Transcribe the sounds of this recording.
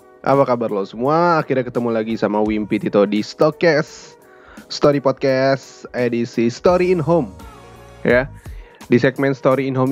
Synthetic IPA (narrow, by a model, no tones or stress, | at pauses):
ʔa̰pakabarlosəmuaːkirɲakət̪əmulaɡisamawimpit̪it̪udist̪ɔkɛs | st̪oɾipɔt̪̚kɛsedisist̪oɾiːnɦom | jadisɛk̚mɛnst̪oɾiːnɦom